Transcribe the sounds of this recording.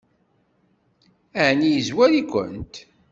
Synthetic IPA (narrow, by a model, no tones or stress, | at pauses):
æʕnijəzwæɾikʷə̰nt̪